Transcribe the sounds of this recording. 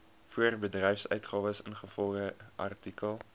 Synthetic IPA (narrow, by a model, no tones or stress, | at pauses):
fuərbədrɛjfsœ̰ɥtχɑːvəsənχəfɔlˠχəʔɐ̰rtikəlˠ